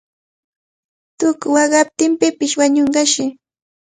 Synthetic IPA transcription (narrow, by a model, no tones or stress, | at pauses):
t̪ʊkʊwɑɢɑp̚t̪ɪmpɪpɪʃwaɲoɴɢɑʃɪ